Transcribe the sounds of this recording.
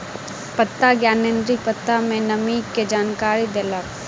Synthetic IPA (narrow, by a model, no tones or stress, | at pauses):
pət̪ːaɡjaːnẽnd̪ɾipət̪ːamẽnɐmiːkked͡ʒaːnkaːɾid̪ela